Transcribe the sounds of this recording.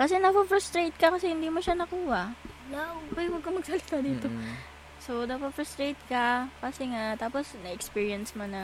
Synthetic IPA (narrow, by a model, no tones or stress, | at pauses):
kɐsɛnɐpɐfɾɐst̪ɾejt̪̚kɐkɐsɛhɪnd̪iːmoʃanɐkuːhɐnapɐjwɐɡ̚kɐmɐɡ̚sɐlɪt̪ad̪iːt̪o | sonɐpɐfɾɐst̪ɾejt̪̚kɐkɐsɛŋat̪aːposnɐʔɛkspiːɹiɐnsmɐnɐ